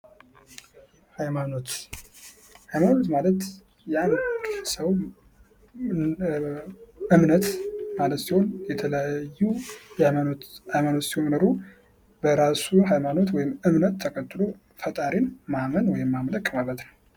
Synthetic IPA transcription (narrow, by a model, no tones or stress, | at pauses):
hajmanot̪ | hajmano̞t̪malət̪ | jɛanəsəw | ʔɨmnət̪malət̪siho̞njɛt̪ʰələjaajːujhajmano̞t̪sihomnəɾu | bəɾasuɦajmano̞t̪wɔjɪmɨmnət̪ʰːəkʰʼət̪ːɨlo | fət̪ʼaɾinmamənwɔjɪmːamləkʼmalət̪nəw